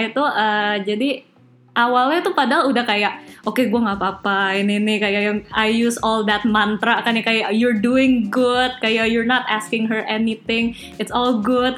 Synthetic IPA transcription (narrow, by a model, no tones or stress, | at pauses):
it̪uəd͡ʒadi | ʔawalɲat̪upadaludahkajaʔokeɡuaŋapaːpaininɪhkajajaajjusɔld̪ɛt̪̚mant̪ɾakanakajaʔjɔɹduɪŋɡʊd̚kajaʔjɔɹnɔt̪askɪŋɦərʔɛnit̪ɪŋ | ɪtsɔlɡʊd̚